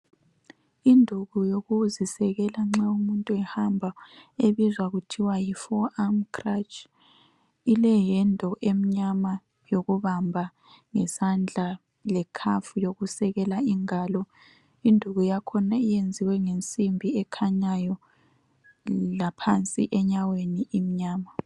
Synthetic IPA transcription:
indʱuɣujoɣuzisɛɣɛlaŋ͡ǁaumuntʼuɛhambʱaeβizwaɣutʰiwajifɔamkʰrat͡ʃʼ | ilɛjɛndʱɔʔem̩ɲama | joɣuβambʱa | ŋɛsand͡ɮʱa | lɛkʰafujoɣusɛɣɛlaiŋaːlɔ | indʱuɣujakʰɔnaijend͡zʱiwɛŋent͡sʼimbʱiɛkʰaɲajɔ | lapʰant͡sʼḭʔɛɲaweniʔim̩ɲaːma

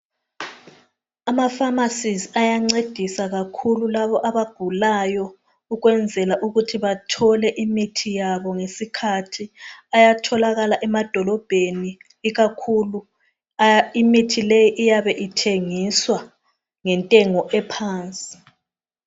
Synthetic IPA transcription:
amafamasiziajaŋ͡ǀed̥ʱisaɣakʰululaβɔʔaβaɡ̥ʱulajɔ | uɣwɛnd͡zʱɛlaʔuɣutʰiβatʰɔlɛʔimitʰijaβɔŋesikʰatʰiajatʰɔlaɣalaʔɛmad̥ʱɔlɔb̥ʱeniː | ɣakʰulu | imitʰilejiʔːjaβɛʔitʰeŋiswa | ŋɛntʼɛŋɔʔɛpʰaːnt͡sʼi̥

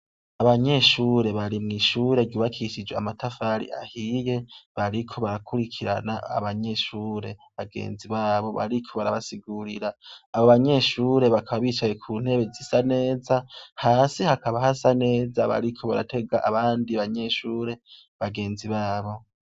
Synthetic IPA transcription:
aβaɲe̞ʃuːɾe̞βaɾimŋiːʃuːɾe̞ɾjuːβakʰiʃid͡ʒweamatʰafaɾḭʔa̰hije̞βaɾikʰo̞βaɾakʰuɾikʰiɾa̰naa̰βaɲe̞ʃuːɾe̞βaɡḛːnziβaːβo̞βa̰ɾikʰo̞βaɾaβasiɡuɾiɾaːβoβaɲe̞ʃuːɾe̞βakʰaβaβiːt͡ʃaje̞kʰuːn̥he̞βe̞zisane̞ːzahaːsihakaβahasane̞ːzaβa̰ɾikʰo̞βa̰ɾa̰tʰe̞ɡaʔaβaːndiaβaɲe̞ʃuːɾe̞ | βaɡe̞ːnziβaːβo̞

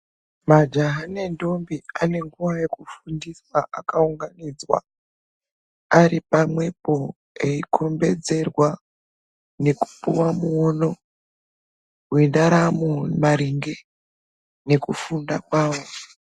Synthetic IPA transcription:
mad͡ʒaɦane̞ndo̞mbiane̞ŋɡuwaje̞kufundiswaʔakauŋɡanid͡zwa̰ | aripamwe̞po̞ | e̞ikʰo̞mbe̞d͡ze̞rwa | ne̞ku̥puwamuono̞ | wenaɾamumaɾiŋɡe̞ | ne̞kufundakwaːwo̞

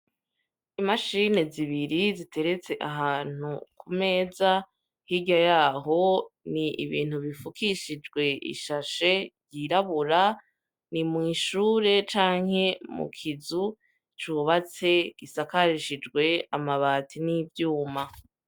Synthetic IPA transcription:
imaʃine̞ziβiɾizitʰe̞ɾe̞t͡se̞ʔaɦaːn̥ukʰume̞ːza | hiɟajaːɦo̞niḭβḭːn̥uβifukʰiʃid͡ʒɡwe̞ḭʃaʃe̞ɾɟiɾaβuɾa | nimŋiːʃuːɾe̞t͡ʃaːŋ̥he̞mṵkʰizu | t͡ʃuβat͡se̞ɡ̥isakaɾiʃid͡ʒɡwe̞amaβaːtʰinivjuːma

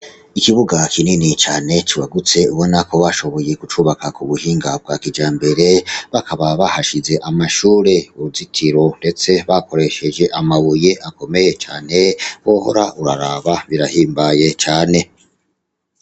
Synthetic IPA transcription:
ikiβuɡakʰininit͡ʃaːne̞t͡ʃiwaɡut͡se̞uβo̞nako̞βaʃo̞βo̞je̞kut͡ʃuːβakakuβuhiːŋɡab̚ɡaːkid͡ʒaːmbe̞ɾe̞βakaβaβahaʃize̞ʔamaʃuːɾe̞uuzitʰiɾo̞nde̞t͡se̞βako̞ɾe̞ʃe̞d͡ʒe̞ʔamaβuje̞ʔako̞me̞je̞t͡ʃaːne̞woho̰ɾaʔuɾaɾaβaβiɾahiːmbaje̞t͡ʃaːne̞

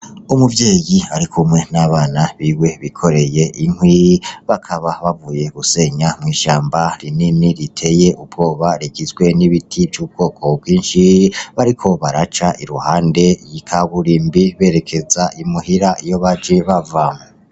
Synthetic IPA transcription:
umuvje̞ːjiaɾikʰumŋe̞naβaːnaβiwe̞βikʰo̞ɾe̞je̞ʔiŋ̥hwiβakʰaβaβavuːje̞ɡuse̞ɲamŋiːʃaːmbaɾininiɾitʰe̞je̞ʔubɡo̞ːβaɾikizɡwe̞niβitʰivjuːb̚ɡo̞ːkʰo̞b̚ɡiːnʃiβaɾikʰo̞βaɾat͡ʃaʔiɾuhaːnde̞jikʰaβuɾiːmbiβe̞ːɾe̞kʰe̞zaʔimuhiɾaijo̞βad͡ʒeβavamo

